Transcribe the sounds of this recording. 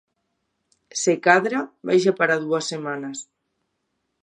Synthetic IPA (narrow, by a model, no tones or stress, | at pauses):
sekaðɾabajʃapaɾaðuasːemanɐs